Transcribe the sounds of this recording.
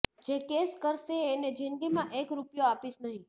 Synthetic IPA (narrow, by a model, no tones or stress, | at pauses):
d͡ʒekeskəɾʃeːned͡ʒinɡimãʔekɾupjoapiʃnəɦĩ